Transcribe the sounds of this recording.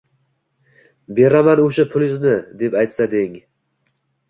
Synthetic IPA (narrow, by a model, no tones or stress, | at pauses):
be̞ɾamanoʃapʰʊlɪznɪd̪e̞pajt̪sad̪ɪŋ